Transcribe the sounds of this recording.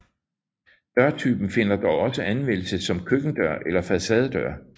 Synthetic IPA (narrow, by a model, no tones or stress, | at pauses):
d̥ɶɐt͡sʰyːb̥n̩fe̝n̰ɐd̥ɒʊɒ̽səʔænmen̰l̩səsɒ̽mkʰøɡ̥n̩d̥ɶɐʔelɐfæsɛːð̞ˠd̥ɶɐ̰